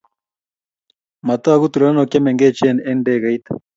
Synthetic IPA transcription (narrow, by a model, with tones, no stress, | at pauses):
ma˨t̪aa˦ɣu˦t̪uɾe˨ɾa˦nɔ˨kja˦mɛŋɡɛ˦t͡ʃɛ˦nɛ˦ndɛɣa˨it̪ḁ